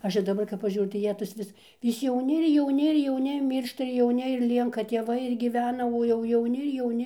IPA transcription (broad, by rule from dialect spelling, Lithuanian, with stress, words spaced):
ˈɐʃ ɪr dɐˈbɐr kɐp pɐˈʒʲuːrʲʊ tɐɪ ˈjiɛ tɐs ˈʋʲɪs ʋʲɪs jɛʊˈnʲɪ ɪr jɛʊˈnʲɪ ɪr jɛʊˈnʲɪ ˈmʲiːrʃtɐ ɪr jɛʊˈnʲɪ ɪr ˈlʲiɛŋkɐ tʲeːˈʋɐɪ ɪr ɡʲiːˈʋʲæːnɐ oː jɛʊ jɛʊˈnʲɪ ɪr jɛʊˈnʲɪ